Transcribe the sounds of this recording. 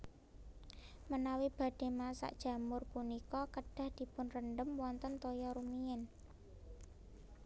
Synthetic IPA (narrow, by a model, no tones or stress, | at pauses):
mənawib̥ä̤ɖ̥e̤masa̰ʔd̥ʒ̥ä̤mʊrpunikɔkəɖ̥ä̤hd̪̥i̤pʊnrənɖəmwɔnt̪ənt̪ojɔɾumiɛn